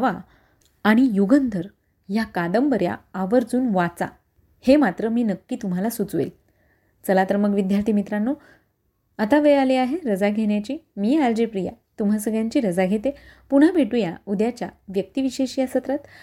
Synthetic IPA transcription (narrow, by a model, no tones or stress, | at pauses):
ʋaː | ɽ̃ijuɡənd̪ʱəɾ | jakad̪əmbəɾja̰ːʋəɾd͡zuːnʋat͡sa̰ | hemat̪ɾəmiːnəkːiːt̪um̤alasut͡sʋḛl | t͡səlat̪əɾməɡʋid̪jaɾt̪ʰimit̪ɾanːo | at̪aʋealeaɦeɾəd͡zaɡʱeɳjat͡ɕiːmiːald͡ʑepɾija̰ | t̪um̤asəɡɭjaɲt͡ɕiːɾəd͡zaɡʱet̪epuɽ̤̃abʱeʈujaud̪jat͡ɕja̰ʋjək̚t̪iʋiɕeɕijasət̪ɾət̪